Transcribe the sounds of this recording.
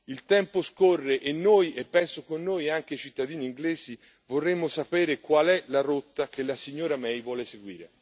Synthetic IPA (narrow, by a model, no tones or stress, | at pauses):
ilt̪ɛmposkorːeʔenːojepːɛnsokonːoːjaŋk̟eit͡ʃit̪ːad̪iːniːŋɡleːzi | vorːemːosapɛːɾekwalɛlaɾot̪ːakelːasiɲːoːɾamɛjvwɔːleseɡwḭːɾḛ